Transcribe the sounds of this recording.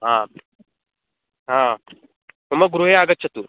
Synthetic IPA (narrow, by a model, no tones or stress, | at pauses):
ɦã | ɦã | ɦuməɡɾuɦeaɡət̪ɕʰət̪u